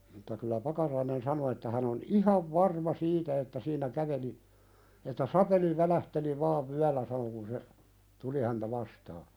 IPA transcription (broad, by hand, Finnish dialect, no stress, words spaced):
mutːɑ kylːæ pɑkɑrɑinen sɑno etːæ hæn on ihɑʋ ʋɑrmɑ siːtæ etːæ siːnˑæ kæʋeli etːæ sɑpeli ʋælæhteli ʋɑːʋ ʋyælːæ sɑno kun se tuli hæntæ ʋɑstɑː